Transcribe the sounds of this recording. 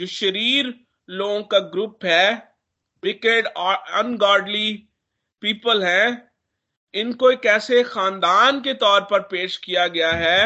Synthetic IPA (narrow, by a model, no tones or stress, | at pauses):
d͡ʒoːʃɐɾiːɾ | loːɡõkaɡɾʊpɦɛː | ʋɪkeɖɐ̃nɡaːɾɖli | piːpəlɦɛ̃ː | ɪnkoekɛːsexaːnd̪aːnket̪ɔːɾpɐɾpeːʃkijaɡɐjaɦɛː